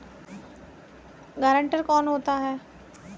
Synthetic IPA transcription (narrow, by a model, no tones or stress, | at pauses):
ɡaːɾə̃ɳʈəɾkɔːnɦoːt̪aɦɛː